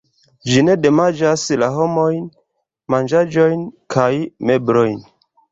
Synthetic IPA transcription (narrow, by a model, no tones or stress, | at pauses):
d͡ʒine̞de̞mad͡ʒaslaɦo̞mo̞jn | mand͡ʒad͡ʒo̞jnkʰajme̞bɾo̞jn